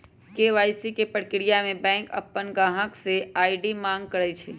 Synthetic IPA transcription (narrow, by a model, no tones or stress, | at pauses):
keʋaːɪsikepəɽkɪɽijamẽbɛ̃ːŋkə̰pːənɡaːɦə̃kseaːɪɖimãːŋɡ̚kəɾət͡ʃʰe